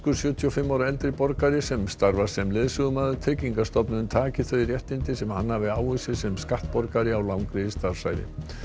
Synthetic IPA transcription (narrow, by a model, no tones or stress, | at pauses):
kʏ̥sjœːt̪ʰiɔfɪmːaːwɾaɛlt̪ɾɪpɔɾkaɾɪsɛmst̪aɾvḁsɛmlɪðsʏɣʏmaːðʏt̪ʰɛːjciŋkast̪ɔpnʏnt̪ʰaːcɪθœːɾjɛht̪nɪnt̪ɪsɛmhanːaːvɪaːwʏsɪsɛmskaht̪pɔɾkaɾɪawlawŋkɾiðɪst̪aɾv̥sa̰jɾɪ̰